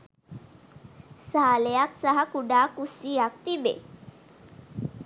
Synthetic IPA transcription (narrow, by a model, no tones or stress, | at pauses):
saljak̚saɦakuɽakusijakt̪ibḛ